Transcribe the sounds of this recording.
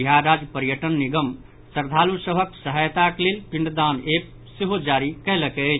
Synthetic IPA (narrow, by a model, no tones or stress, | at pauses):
bijaɾad͡ʒpəɾjəʈənːiɡəm | səɾd̪ʱalusəbʱəksəɦəjt̪aklelpiɳɖd̪anep̚ | seɦod͡ʒaɾikɛɦləkɛt͡ʃʰ